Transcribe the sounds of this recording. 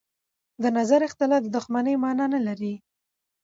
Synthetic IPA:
d̪ənazaɾɪxt̪ɪlɑfd̪əd̪ʊxmanəjmɑnɑnalaɾi

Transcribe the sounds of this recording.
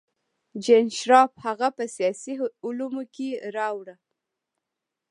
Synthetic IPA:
d͡ʒenʃɾɑphaɣapəsjɑsiʊlumokeɾɑwɽa

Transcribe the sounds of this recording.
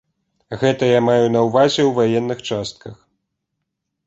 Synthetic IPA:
ɣɛt̪ɐjamajunɐwvazʲɛwvajɛnːɨxt͡ʂast̪̚kʰɐx

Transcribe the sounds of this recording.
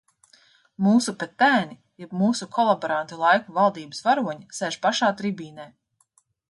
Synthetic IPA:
muːsupɛt̪ːæːni | jɛbmuːsukʰɔlˠabɔɾant̪ulˠajkuvalˠd̪iːbɨ̥svaɾuɔɲisɛʒpaʃaːt̪ɾibiːnɛj

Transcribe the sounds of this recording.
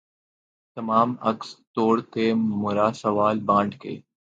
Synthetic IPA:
t̪ɐmaːmɐ̰kst̪oːɽt̪eːmʊɾaːsɐʋaːlbãːɳɖkḛː

